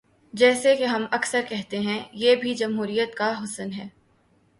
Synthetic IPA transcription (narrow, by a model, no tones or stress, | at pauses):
d͡ʒɛːsekeɦɐmɐksəɾkɛɦt̪eɦɛ̃jeːbʱid͡ʒɐmɦuːɾijət̪̚kaɦʊsənɦɛː